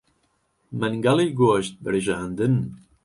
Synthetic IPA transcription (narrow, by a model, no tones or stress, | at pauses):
mɐnɡɑlˠiːɡoːʃt̪̚bɨɾɨʒaːnd̪ɨn